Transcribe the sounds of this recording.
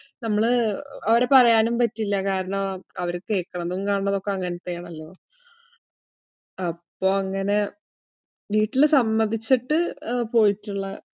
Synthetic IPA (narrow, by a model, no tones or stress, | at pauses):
nɐmːɐɭɨɐʋɐɾepɐrɐjaːnumpɐtːilːɐkaːɾɐɳɐmɐʋɐɾɨke̞ːkːɐɳɐmnuukaːɳɳːɐðo̞kːeɐŋːɐnɐt̪ːejaːɳɐlːo̞ː | ɐpːo̞ːɐŋːɐne̞ | ʋiːʈːilsɐmːɐnd̪it͡ɕːiʈːɨpo̞ːjitːuɭːɐ